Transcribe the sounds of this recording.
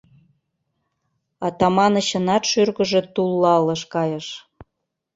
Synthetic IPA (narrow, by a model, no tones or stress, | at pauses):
ɑt̪ɑmɑnə̆ɕə̆nɑt̪ʃyrɣə̆ʒĕt̪ulːɑlə̆ʃkɑjəʃ